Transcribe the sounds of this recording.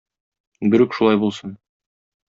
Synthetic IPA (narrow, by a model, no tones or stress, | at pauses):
bɵ̆ɾɵkʃulˠɑjbulˠsɤn